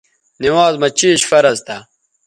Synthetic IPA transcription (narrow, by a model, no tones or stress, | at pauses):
niwaːzmɐt͡ɕiːɕfɐɾɐzt̪ʰa